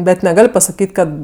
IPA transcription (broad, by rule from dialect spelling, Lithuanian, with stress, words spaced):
bʲɛt nʲɛˈɡɐlʲ pɐsɐˈkʲiːtʲ ˈkɐt